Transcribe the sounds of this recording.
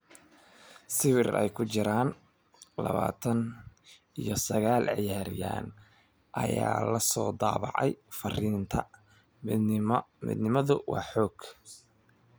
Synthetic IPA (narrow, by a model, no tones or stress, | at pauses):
sɪwɪrɛjkʰʊt͡ʃɪɾaːn | lɐβaːt̪ʰɐn | ijɞsɐɣaːlʕɪjaːɾɪja̰ːn | ʔɐjaːlɐsɔːd̪ɑːβɑ̰ʕɛjfɐriːnt̪ʰɐ | mḭːd̪nɪmɐðʊwɑːħɔːɡ̥